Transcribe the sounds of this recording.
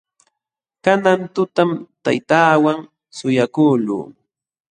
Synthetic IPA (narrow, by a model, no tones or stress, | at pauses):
kanant̪ʊt̪amt̪a̰jt̪aːwaŋ | sʊjakuːlṵː